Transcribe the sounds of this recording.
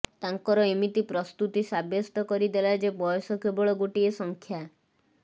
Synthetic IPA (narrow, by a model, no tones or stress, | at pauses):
t̪aŋkɔɾɔemit̪ipɾɔst̪ut̪isabjɔst̪ɔkɔɾid̪elajd͡ʒebɔjɔsɔkebɔɭɔɡoʈiesɔŋkʰja